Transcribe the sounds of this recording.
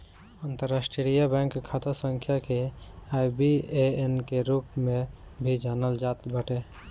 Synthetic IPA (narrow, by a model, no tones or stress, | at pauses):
ant̪əɾasʈɾɾijabɛ̃ŋkkʰːat̪asəŋkʰjakeajbieenkeɾupmẽbʱid͡ʒanəld͡ʒat̪bəʈe